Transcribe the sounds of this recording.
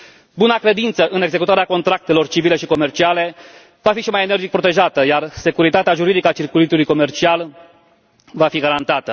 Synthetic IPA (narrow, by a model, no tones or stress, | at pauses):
bunakɾe̞d̪int̪səʔɨne̞ɡze̞kut̪aɾeako̞nt̪ɾak̚t̪e̞lo̞rt͡ʃivile̞ʃiko̞me̞rt͡ʃiale̞ | vafiʃimaje̞ne̞rd͡ʒik̚pɾo̞t̪e̞ʒat̪əjarse̞kuɾit̪at̪eaʒuɾid̪ikəat͡ʃirkulit̪ulujko̞me̞rt͡ʃial | vafiɡaɾant̪at̪ə